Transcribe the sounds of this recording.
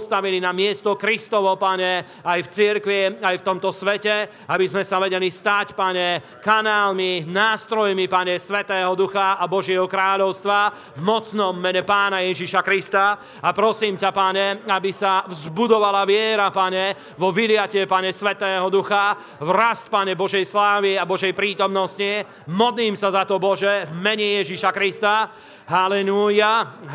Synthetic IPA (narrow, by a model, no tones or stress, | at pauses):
st̪aʋilinamɪɛst̪ɔkɾist̪ɔʋɔpaɲɛ | ajft͡siɾkʋiajft̪ɔmt̪ɔsʋɛcɛ | abizmɛsaʋɛɟɛlist̪acpaɲɛ | kanaːlminaːst̪ɾɔjmipaɲɛsʋɛt̪ɛːɦɔd̪uxaabɔʒɪɛɦɔkɾaːʎɔʊst̪ʋa | vmɔt͡snɔmːɛɲɛpaːnajɛʒiʃakɾist̪a | apɾɔsiːmcapaɲɛabisavzbud̪ɔʋalaʋɪɛɾapaɲɛ | ʋɔʋilɪacɪɛpaɲɛsʋɛt̪ɛːɦɔd̪uxa | vɾast̪paɲɛbɔʒɛjslaːʋiabɔʒɛjpɾiːt̪ɔmnɔsci | mɔd̪liːmsazat̪ɔbɔʒɛvmɛɲɛjɛʒiʃakɾist̪a | ɦalɛluːja